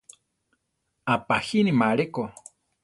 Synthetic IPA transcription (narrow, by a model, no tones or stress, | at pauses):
apahinimaɺeko